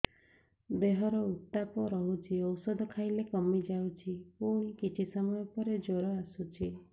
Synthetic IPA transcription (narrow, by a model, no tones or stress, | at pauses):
beɦɔɾɔut̪ːapɔɾɔɦut͡ʃʰiɔwsɔd̪ʱɔkʰajlekɔmid͡ʒawt͡ʃʰipuɽ̃ikit͡ʃʰisɔmɔjɔpɔɾed͡ʒoɾɔasut͡ʃʰi